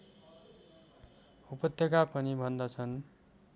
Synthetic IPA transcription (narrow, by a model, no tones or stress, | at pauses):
upʌt̪jʌkapʌnibʱʌnd̪ʌt͡sʰʌn